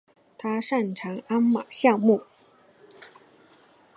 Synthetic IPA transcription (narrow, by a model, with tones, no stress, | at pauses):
t̪ʰa˥ʂa˥˩nʈ͡ʂʰɑ˨˧˥ŋa˥nma̰˨˩ɕjɑ˥˧ŋmu˥˩